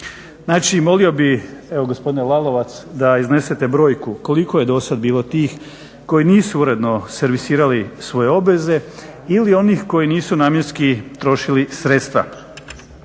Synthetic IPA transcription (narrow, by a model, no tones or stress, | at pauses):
naːt͡ʃimo̞lio̞bie̞ʋo̞ɡo̞spo̞d̪inelˠalˠo̞ʋat̪sd̪aizne̞set̪e̞bɾo̞ːjkuko̞likoje̞d̪o̞sad̪biːlˠo̞t̪iːx | ko̞jiniːsuuɾe̞d̪no̞se̞ɾʋisiːɾalisʋo̞je̞o̞bʋe̞ze̞ | ilio̞niːxko̞jiniːsunaːmjeɾskit̪ɾo̞ʃilisɾet̪st̪ʋa̰